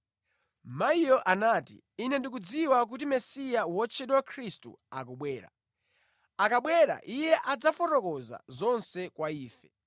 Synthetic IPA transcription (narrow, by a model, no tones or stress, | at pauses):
maijɔʔanaːtḭːnɛndik̬ud͡ziwak̬ut̬imɛsijawɔt͡ʃʰɛɗwakʰɾistṵa̰kuɓwɛːɾa̰ | akaɓwɛɾa̰ʔijɛʔad͡zafɔtɔkɔza̰zɔnsɛkwaiːfɛ